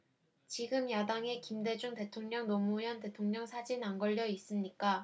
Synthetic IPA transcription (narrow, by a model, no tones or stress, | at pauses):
t͡ɕiɡɯmjadaŋe̞kimde̞d͡ʑuŋte̞tʰoŋɲʌŋnomujʌnte̞tʰoŋɲʌŋsʰad͡ʑinanɡʌʎːʌis͈ɯmɲik͈a